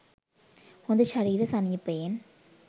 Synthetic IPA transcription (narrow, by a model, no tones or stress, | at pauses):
ɔnd̪ɯʃɐɾiːɾɐsɐnɪjɐpːen